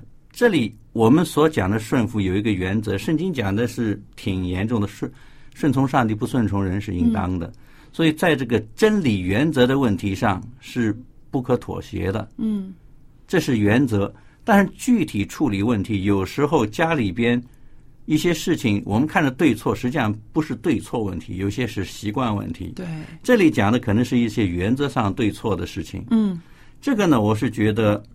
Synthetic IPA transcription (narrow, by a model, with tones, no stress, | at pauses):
ʈ͡ʂɤ˥˩li˨˩ | wɔ˨˩mə˦nswɔ˧˥t͡ɕjɑ˨˩ŋd̪ə˦ʂwə˥˩nfu˧˥jo˨˩ʊi˧˥ɡə˧ɥɛ˧˥nt͡sɤ˧˥ʂə˥˩ŋt͡ɕi˥ŋt͡ɕjɑ˨˩ŋd̪ə˦ʂɻ̩˥˩t̪ʰi˨˩ŋjɛ˧˥nʈ͡ʂʊ˥˩ŋd̪ə˩ʂ | ʂwə˥˩nt͡sʰʊ˧˥ŋʂɑ˥˧ŋt̪i˥˩p̬u˧˥swə˥˩nt͡sʰʊ˧˥ŋɻə˧˥nʂɻ̩˥˧i˧˥nt̪ɑ̰˥ŋd̪ə̰˨ | swɔ˧˥i˨˩t͡sa˥˧ɪʈ͡ʂɤ˥˩ɡə˩ʈ͡ʂə˥nli˨˩ɥɛ˧˥nt͡sɤ˧˥d̪ə˧wə˥˩nt̪ʰi˧˥ʂɑ˥˧ŋʂɻ̩˥˧pu˥˩kʰɤ˧˥t̪ʰwɔ̰˨˩ɕjɛ̰˧˥d̪ə̰˧ | ʈ͡ʂɤ˥˧ʂɻ̩˥˩ɥɛ˧˥nt͡sɤ˧˥ | t̪a˥˧nʂɻ̩˥˧t͡ɕy˥˩t̪ʰi˨˩ʈ͡ʂʰu˥˩li˨˩wə˥˩nt̪ʰi˧˥jo˨˩ʊʂɻ̩˧˥xo˥˧ʊt͡ɕja˥li˨˩pjɛ˥n | i˥˩ɕjɛ˥ʂɻ̩˥˩t͡ɕʰi˨˩ŋwʔɔ̰˨˩mə˦nkʰa˥˩nd̪ə˩t̪we˥˧ɪt͡sʰwɔ˥˩ʂɻ̩˧˥t͡ɕi˥˧˩ʂɑ˥˩ŋpu˧˥ʂɻ̩˥˧t̪we˥˧ɪt͡sʰwɔ˥˧wə̰˥˩nt̪ʰḭ˧˥jo˨˩ʊi˩ɕjɛ˥ʂɻ̩˥˩ɕi˧˥kwa˥˧nwə̰˥˩nt̪ʰḭ˧˥t̪we˥˩ʈ͡ʂɤ˥˩li˧˥t͡ɕjɑ˨˩ŋd̪ə˦kʰɤ˨˩nɤ˧˥ŋʂɻ̩˥˧i˥˩ɕjɛ˥ɥɛ˧˥nt͡sɤ˧˥ʂɑ˥˧ŋt̪we˥˧ɪt͡sʰwɔ˥˩d̪ə˩ʂɻ̩˥˩t͡ɕʰḭ˨˩ŋ | ʈ͡ʂɤ˥˩ɡə˩nə˩wɔ˨˩ʂ̬ɻ̩˥˩t͡ɕɥɛ˧˥d̪ə˧